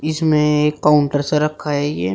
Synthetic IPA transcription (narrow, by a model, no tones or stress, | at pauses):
ɪsmẽkːaːʊɳʈəɾsaɾɐkʰːaɦɛjḛː